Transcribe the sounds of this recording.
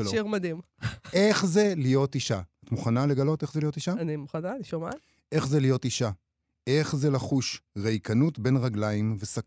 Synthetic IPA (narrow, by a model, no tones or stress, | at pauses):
oʃiʁmad̪im | ʔe̞χze̞lijo̞tiʃaatmuχanale̞ɡalo̞te̞χzeijo̞tiʃaanimuχananiʃoma̰ | ʔe̞χzelijo̞tiʃa | e̞χzelaχuʃʁejkʰanutbe̞nʁaɡlaimvesa